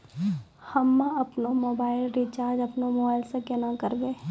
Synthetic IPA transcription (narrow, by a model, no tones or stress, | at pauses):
hɐmːãɐpnomoːbaːɪlɾit͡ʃaːɾd͡ʒɐpnomoːbaːɪlsekenakɐɾɡeː